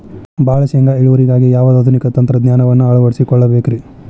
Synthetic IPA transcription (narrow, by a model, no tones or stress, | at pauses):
baːɭɐʃɛŋɡaeɭuʋɐɾiɡaːɡijaːʋɐd̪ɐd̪ʱunikɐt̪ɐnt̪ɾɐd̪nɲjaːnɐʋɐnːuɐɭuʋɐɽisikɔɭːɐbeːkɾi